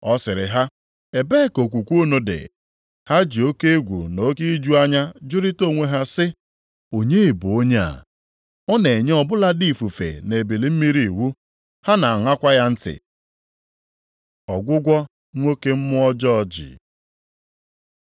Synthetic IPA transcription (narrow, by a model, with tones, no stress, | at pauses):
ɔ˦sɪ˨ɾɪ̰˨ɦa˦ | e˨be˦˨ko˨kʷu˨kʷu˦no˦dɪ̰˨ | ha˦d͡ʒi˨o˦ke˦e˦ɡʷṵ˨no˦ke˦i˦d͡ʒu˦a˦ɲa˦d͡ʒʊ˦ɾɪ˦to˦˨ŋʷe˦ɦa˦sɪ˦ | o˨ɲe˦e˨bu˨o˦ɲe˦a̰˨ | ɔ˦ne˨ɲe˦ɔ˦˨bʊ˦la˦di˦˨fu˨fḛ˨ne˨bi˨li˨m̩˦mi˦ɾi˨wu˦ | ha˦na˨ŋʷa˦kʷa˦ja˦n̩˦tɪ̰˨ | ɔ˨ɡʷʊ˦ɡʷɔ˦ | ŋʷo˦ke˦m̩˦mʊ˦ɔ˦d͡ʒɔ˦ɔ˦d͡ʒɪ̰˨